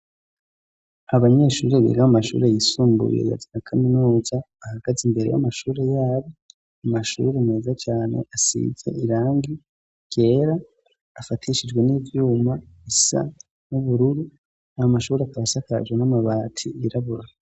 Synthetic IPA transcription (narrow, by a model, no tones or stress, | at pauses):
aβaɲe̞ːʃuːɾe̞βḭɡahamaʃṵːɾe̞jisuːmbṵjḛja̰zinakʰaminuːzaːhaɡ̥azimbe̞ɾe̞̰ja̰maʃuːɾe̞jaːβo | amaʃṵːɾene̞ːzat͡ʃaːne̞̰ʔasḭːze̞̰ʔiɾaːŋɡi | ɡ̥e̞ːɾaː | fatʰiʃid͡ʒɡwe̞niːvjuːmaisa̰ | nuβuɾuɾu | ajomaʃuːɾeakaβasaka̰ʒɡwenamaβaːtʰiiɾaβuɾa